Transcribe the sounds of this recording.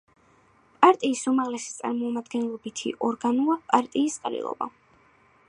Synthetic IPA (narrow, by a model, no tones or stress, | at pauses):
pʼaɾt̪ʼiːsumaʁlɛsi̥t̪sʼa̰ɾmɔmad̪ɡɛnlˠɔbit̪ʰḭʔɔɾɡanuapʼaɾt̪ʼiːsqʼɾḭlˠɔ̰ba̰